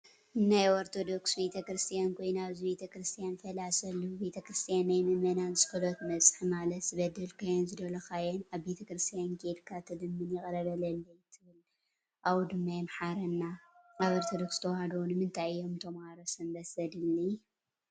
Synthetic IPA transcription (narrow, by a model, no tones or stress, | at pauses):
najoɾt̪ʰo̞d̪o̞ksbe̞t̪ʰɐkɾɨst̪ʰijankʰo̞jnaβzibe̞t̪ʰɐkɾɨst̪ʰijanfɐlasɐlːube̞t̪ʰɐkɾɨst̪ʰijanːajmɨmɐnant͡sʼɨ̥kɨlot̪mɐt͡sʼħimalɐt̪z̥ɨβɐd̪ɐlkʰajɛnzɨd̪ɐlɐkajɛnaβbe̞t̪ʰɐkɾɨst̪ʰijankʰed̪kʰat̪ʰɐd̪ɨmːɨnjɪkʼɐɾɐβɐlɐlːɐjt̪ʰɨβɨl | ʔawud̪ɨmːajmħaɾɐnːaaβoɾt̪ʰod̪o̞kst̪ʰɐwhad̪onɨmɨnt̪ʰajːomt̪ʰɐmaɾosɨnbɐsɐd̪ɨlːi